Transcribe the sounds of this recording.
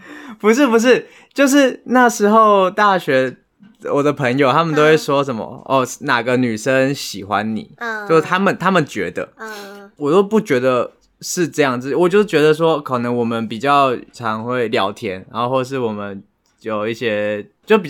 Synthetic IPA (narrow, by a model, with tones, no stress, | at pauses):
pu˧˥ʂ̬ɻ̩˥˩pu˧˥ʂ̬ɻ̩˥˩ | t͡ɕjo˥˧ʊʂ̬ɻ̩˥˩na˥˩ʂɻ̩˧˥xo˥˩ʊt̪a˥˩ɕɥɛ˧˥ | wɔ˨˩d̪ə˦pʰə˧˥ŋjo˨˩ʊt̪ʰa˥mə˨nt̪o˥ʊwe˥˩ɪʂwɔ˥ʂə˧˦˥nmə̰˨˦ʔɔ˥˩na˨˩ɡə˦ny˨˩ʂə˦ŋɕi˨˩xwa̰˦nnḭ˨˩˦t͡ɕo˥˧ʊʂt̪ʰa˥mə˨nt̪ʰa˥mə˨nt͡ɕɥɛ̰˧˥d̪ə̰˧˨wɔ˨˩t̪o˥ʊpu˥˩t͡ɕɥɛ˧˥d̪ə˨ | ʂɻ̩˥˧ʈ͡ʂɤ˥˧jɑ˥˩ŋt͡sɹ̩˥˩˨wɔ˨˩t͡ɕjo˥˧ʊ˥˩t͡ɕɥɛ˧˥d̪ə˨ʂ̬wɔ˥kʰɤ˨˩nɤ˧˥ŋwɔ˨˩mə˦npi˨˩t͡ɕjɑ˥˩ʊʈ͡ʂʰɑ˧˥ŋxwe˥˩ɪljɑ˧˥ʊt̪ʰjɛ˧˥nɻa˧˦nxo˥˧xwɔ˥˧ʂ̬ɻ̩˥˩wɔ˨˩mə˦n | jo˨˩ʊi˥˩ɕjɛ˦˥t͡ɕjo˥˧ʊpi˨˩